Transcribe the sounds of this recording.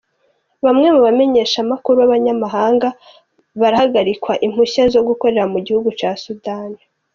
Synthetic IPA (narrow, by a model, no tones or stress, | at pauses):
βamŋe̞muβame̞ɲe̞ːʃamakuɾuβaβaɲamaɦaːŋɡa | βaɾahaɡaɾikwaʔim̥huçazo̞ɡuko̞ɾe̞ɾamuɟihuɡut͡ʃaːsudaːni